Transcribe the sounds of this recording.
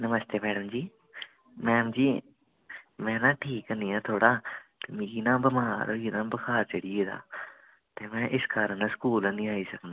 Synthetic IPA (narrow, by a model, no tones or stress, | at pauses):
nəməst̪eːmɛːɖəmd͡ʒiː | mɛ̃ːmd͡ʒiː | mɛ̃ːnãːʈʰiːkəniːãːt̪ʰoːɽaːt̪eːmĩɡiːnãːbəmaːɾɡiːnãːbəkʰaːt͡ʃəɽiːeːd̪a̰ː | t̪eːmɛ̃ːʔɪskaːɾə̃nãskuːlãnĩːaːiːsəknd̪aː